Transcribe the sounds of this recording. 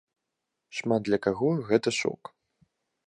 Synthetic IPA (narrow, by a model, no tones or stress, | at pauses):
ʂmat̪̚d̪lʲɐkaɣɔɣɛt̪ɐʂɔ̰k